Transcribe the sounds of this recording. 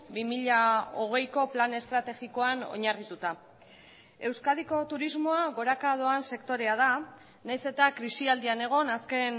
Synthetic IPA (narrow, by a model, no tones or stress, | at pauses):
bimiʎao̞ɣ̞e̞jko̞plane̞st̪ɾat̪e̞ɣiko̞ano̞̰ɲarit̪ut̪a | e̞wskað̞iko̞t̪uɾizmoaɣo̞ɾakað̞o̞anse̞kt̪o̞ɾe̞að̞a | najse̞t̪akɾisiald̪iane̞ɣ̞o̞naske̞n